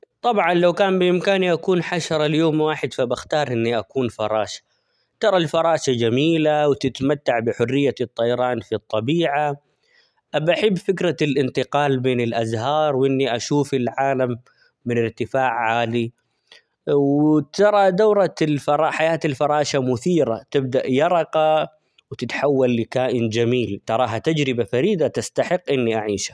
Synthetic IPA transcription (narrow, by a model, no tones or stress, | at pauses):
t̪ˤɑbʕɑnlawkaːnbɪʔɪmkaːniʔakuːnħaʃɑɾˤɑljoːmwaːħɪd̪fabaxt̪ɑːɾˤʔɪnːiʔakuːnfɑɾˤɑːʃḁ | t̪ɑɾˤɑlfɑɾˤɑːʃad͡ʒamiːlawt̪ɪt̪mat̪ːaʕbɪħʊrːɪjːat̪ˤːɑjɑɾˤɑːnfit̪ˤːɑbiːʕa | ʔabʔaħɪbːfɪkɾalʔɪnt̪ɪqɑːlbeːnɪlʔazɦɑːɾˤwʔɪnːiʔaʃuːfɪlʕaːlamː | ɪnɪɾt̪ɪfaːʕːaːli | wt̪ɑɾˤɑd̪awɾˤɑlfɑɾˤɑħajaːt̪alfɑɾˤɑːʃamʊθiːɾat̪ɪb̚d̪aʔjɑɾˤɑqɑ | wt̪ɪt̪ħawːalːikaːʔɪnd͡ʒamiːlt̪ɑɾˤɑːɦat̪ad͡ʒɾɪbafaɾiːd̪at̪ast̪aħɪqːʔɪnːiʔaʕiːʃḁ